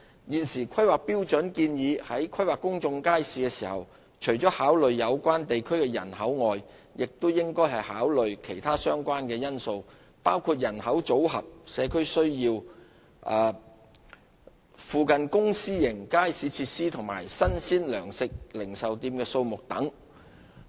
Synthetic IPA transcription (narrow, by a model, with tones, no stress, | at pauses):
jiː˨nsiː˨˩kʰɐ˥jwaː˨˩k̚piː˥wt͡sɵ˨˥nkiː˧njiː˨˧hɐ˨˥jkʰɐ˥jwaː˨kːʊ˥ŋt͡sʊ˧ŋkaː˥jsiː˨˧kɛː˧siː˨˩hɐ̰˨w | t͡ʃʰɵ˨˩ɥt͡ʃɔː˨˥haː˨˥wlɵ˨ɥːɐ˨˧wkʷaː˥nt̪e˨jkʰɵ˥ɥkɛ˧jɐ̰˨˩nhɐ˨˥wŋɔː˨j | jɪ˨k̚t̪o˥wjɪ˥ŋkɔː˥jɦɐ˨jhaː˨˥wlɵ˨ɥkʰe˨˩jt̪ʰaː˥sœː˥ŋkʷwaː˥nkɛː˧jɐ˥nso˧w | paː˥wkʰuː˧t̚jɐ˨˩nhɐ˨˥wt͡so˨˥whɐ˨p̚sɛː˨˧kʰɵ˨˥ɥsɵ˥ɥjiː˧w | ʔɐː˨˩ | fuː˨˧kɐ˨nkʊ˥ŋsiː˥jɪ˨˩ŋkaː˥jsiː˨˧t͡sʰiː˧t̚siː˥t̪ʰʊ˨˩ŋmaː˨˩jsɐ˥nsiː˥nlœː˨˩ŋsɪ˨k̚lɪ˨˩ŋsɐ˨wt̪iː˧mkɛː˧so˧wmʊ˨k̚t̪ɐ˨˥ŋ